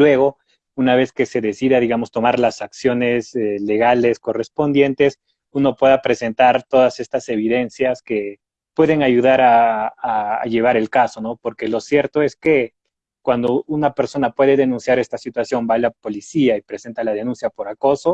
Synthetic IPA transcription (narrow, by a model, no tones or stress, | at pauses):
lwe̞ɣo̞ | unaβe̞ske̞se̞ðe̞siðaðiɣamo̞st̪o̞maɾlasaksjo̞ne̞sele̞ɣale̞sko̞re̞spo̞nd̪je̞nt̪e̞s | uno̞pwe̞ðapɾe̞se̞nt̪aɾt̪o̞ðase̞st̪ase̞β̞iðe̞nsjaske̞ | pwe̞ðe̞ŋaʝuðaɾa̰ː | ʝe̞β̞aɾe̞lkaso̞no̞po̞ɾke̞lo̞sje̞ɾt̪o̞e̞ske̞ | kwand̪o̞unape̞ɾso̞napwe̞ðe̞ðe̞nũnsjaɾe̞st̪asit̪wasjo̞mbaːlapo̞lisiaipɾe̞se̞nt̪alaðe̞nũnsjapo̞ɾako̞so̞